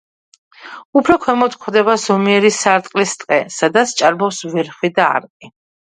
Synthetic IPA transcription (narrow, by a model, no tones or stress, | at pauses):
upʰɾɔkʰwɛmɔt̪kʰχwd̪ɛβazɔmiɛɾisaɾt̪ʼqʼlist̪ʼqʼɛsad̪at̪st͡ʃʼaɾbɔpsvɛɾχwid̪aa̰ɾkʼi